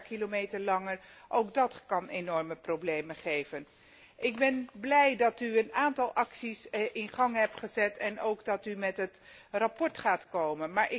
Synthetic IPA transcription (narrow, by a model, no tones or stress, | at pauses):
kilomejtəɹlɑŋəɹʔowɡdɑtkɑnenɔɹməprowblejməχejvən | ʔɪɡ̚bɛnblɛjdɑtyənaːntɑlˠʔɑksisʔɪnχɑŋɦɛp̚tχəzɛtʰɛnowɡdɑtymɛtɦətrapɔɹtχaːtkowmənmaːɹʔɪ